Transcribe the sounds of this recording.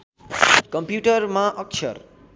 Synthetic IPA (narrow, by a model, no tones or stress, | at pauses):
kʌmpjuʈʌrmaʔʌk̚t͡ʃʰʌ̰r